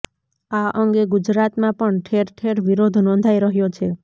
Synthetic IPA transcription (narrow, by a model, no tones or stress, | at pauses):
aʔəŋɡeɡud͡ʒɾat̪mãpəɳʈʰeɾʈʰeɾʋiɾod̪ʱnɔ̃nd̪ʱajɾəɦjot͡ʃʰe